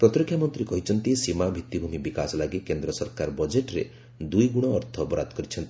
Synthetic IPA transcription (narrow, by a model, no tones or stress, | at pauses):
pɾɔt̪ɾikʰːjamɔnt̪ɾikɔɦit͡ʃʰɔnt̪isimabʱit̪ːibʱumibikasɔlaɡikend̪ɾɔsɔɾkaɾbɔd͡ʒeʈɾḛ | d̪ujɡuɽ̃ɔːɾt̪ʰɔpɔɾat̪kɔɾit͡ʃʰɔnt̪i̥